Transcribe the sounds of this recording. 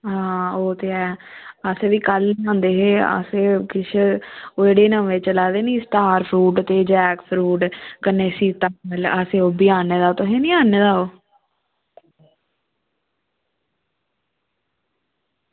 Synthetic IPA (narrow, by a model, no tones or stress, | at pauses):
ɦãːoːt̪eːɛːəseːʋiːkəliːãːnd̪eːɦeːə̰seːkɪʃʰoːeːɽeːnəeːt͡ʃəlaːd̪eːnĩːsʈaːɾpʰɾuːʈt̪eːd͡ʒɛːkpʰɾuːʈkənːeːsiːt̪aələseːoːbiːãːneːd̪aːoːt̪oɦeːnĩːaːneːd̪aːoː